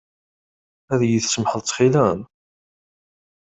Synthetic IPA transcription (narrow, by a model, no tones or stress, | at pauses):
æðjiθsəmħəlt͡s̪ːχilæm